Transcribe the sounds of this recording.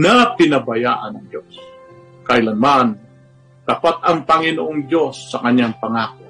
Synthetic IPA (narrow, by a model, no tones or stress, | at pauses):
napɪnabɐjaʔanɐŋd͡ʒos | kajlanman | t̪apat̪ɐŋpɐŋɪnoʔoŋd͡ʒo̞sːɐkɐɲjaŋpɐŋaːko